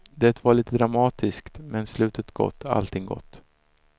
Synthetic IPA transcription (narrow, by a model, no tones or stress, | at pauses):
d̪ɛt̪vaɭiːt̪əd̪ɾamɑːt̪ʰɪskt̪mɛnslʉ̟ːt̪ʰət̪ɡ̥ɔ̰t̪ːa̰lt̪ʰɪŋɡɔ̰t̪ː